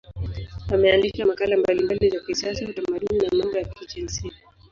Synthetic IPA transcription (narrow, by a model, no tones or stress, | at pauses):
amɛalikamakalambalimbalizakisiasahutamaɗuninamambɔjakid͡ʒɛn̩si